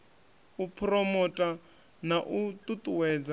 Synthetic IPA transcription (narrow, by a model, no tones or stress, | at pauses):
upʰrɔmɔtʼa | naʔut̪ʼut̪ʼuwɛːd͡za